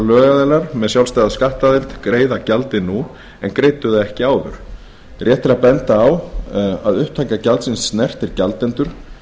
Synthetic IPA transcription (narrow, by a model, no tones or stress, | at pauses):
lœːɣaðɛlaɾ̥mɛðsjawlst̪aːjðaskaht̪aðɪlt̪kɾeːjðacalt̪ɪnu | ɛnkɾeːjt̪ʏðaðɛhcɪaːwðʏ̰ɾ̥ | rʔjɛht̪ɪɾaðpɛnt̪aːwa̰ðʏht̪ʰːajkacalt̪sɪnsːnɛr̥t̪ɪɾcalt̪ɛnt̪ʏɾ̥